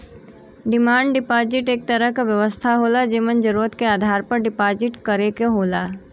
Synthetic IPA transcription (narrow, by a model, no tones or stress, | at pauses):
ɖɪmãːɳɖɖɪpaːd͡ʒɪʈeːk̚t̪əɾəɦkaʋjəʋəst̪ʰaɦoːlad͡ʒeːmənd͡ʒəɾuːɾət̪keaːd̪ʱaːɾpɐɾɖɪpaːd͡ʒɪʈkɐɾekeɦoːlaː